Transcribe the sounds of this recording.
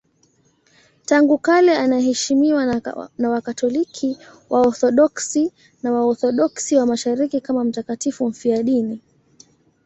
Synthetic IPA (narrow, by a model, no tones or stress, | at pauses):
taŋɡukalɛanaɦɛʃimiwanawakatɔlikʰiwʔaɔθɔɗɔksi | nawaɔθɔɗɔksiwamaʃaɾikikamam̩takatifum̩fiaɗini